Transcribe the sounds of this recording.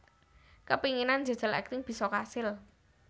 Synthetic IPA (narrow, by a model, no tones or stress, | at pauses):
kəpiŋinand͡ʒa̤d̥d͡ʒ̥ə̤lɛ̰k̚t̪ɪŋb̥i̤sɔkasɪl